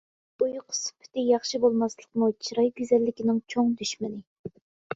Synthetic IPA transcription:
ujqʰʊ̥spʰɪ̥t̪ɪjɑχʃibolˠmɑslˠəqmut͡ʃʰiɾɑjɡʲyzɛlːɪkʲinɪŋt͡ʃʰoŋd̪yʃmɪnɪ

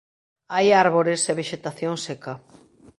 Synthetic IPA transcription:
ajaɾβoɾeseβeʃet̪aθjoŋseka

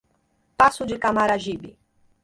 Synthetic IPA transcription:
pasʊd͡ʒɪkamaɾaʒibḭ

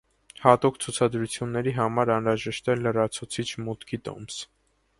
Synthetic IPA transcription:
hɑt̪ukt͡sʰut͡sʰɑd̪ɾut͡sʰjunːɛɾiɦɑmɑɾɑnɾɑʒɛʃt̪ɛlːərɑt͡sʰut͡sʰit͡ʃʰmut̪kʰit̪ɔ̰ms

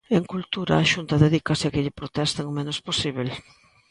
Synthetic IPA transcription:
eŋkult̪uɾɐ̰ːʃunt̪ɐðeðikasɪɐkɪʎɪpɾot̪ɛst̪ɐŋomenosposiβel

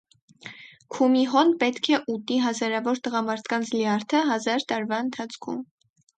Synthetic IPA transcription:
kʰumiɦɔnpɛt̪kʰɛʔut̪iɦɑzɑɾɑvɔɾt̪əʁɑmɑɾt̪ʰkɑnt͡sʰliɑɾt̪ʰəɦɑzɑɾt̪ɑɾvɑənt̪ʰɑt͡sʰkʰṵm

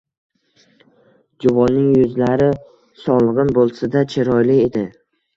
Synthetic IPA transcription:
d͡ʒʊvɒnːɪŋjʊzlaɾɪ | sɒlˠɨʁɨnbolˠsad̪at͡ʃʰɪɾɒjlɪed̪ɪ

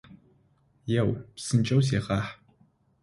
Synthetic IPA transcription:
jɛwpsɨnt͡ʃʼɐws̬eːχaːħ

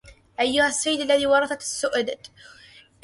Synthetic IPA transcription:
ʔajːʊhasːajːɪd̪alːaðiːwɑɾˤɑθɑt̪asːʊʔd̪

